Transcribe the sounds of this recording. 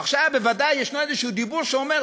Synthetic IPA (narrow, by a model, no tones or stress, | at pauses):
aχʃavbevad̪ajːeʃnoezeʃuud̪ibuʁʃeome